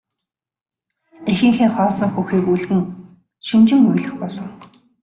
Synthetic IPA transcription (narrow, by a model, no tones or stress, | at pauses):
exɘ̆ŋxeːχɔːsɞ̆ŋxuxiːkuɮɣɘ̆ŋ | ʃint͡ɕɪ̆ŋuj̆ɮə̆χpɔɮɞ̆w